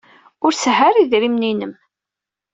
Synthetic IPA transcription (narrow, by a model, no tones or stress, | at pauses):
ʊɾsəɦaɾiðɾimninəm